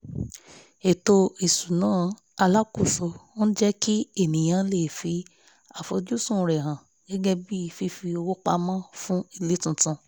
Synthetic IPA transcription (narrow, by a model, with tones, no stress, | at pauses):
e˨to˧i˨su˨nãː˦ | a˧la˦ko˦˨so˨˧o˦ñ̩˦d͡ʒɛ˦ki˦e˦˨nĩ˨j̃ã˧˦le˦˨fi˧ | a˨fo˧d͡ʒu˦sũ˦˨ɾɛ˨ɦã˨ | ɡ̥ɛ˦ɡɛ˦bi˦i˧˨fi˧fi˧o˧wo˦k͡pa˧mã˦fũ˦i˦˧˨le˨˦tũ˧tũ˧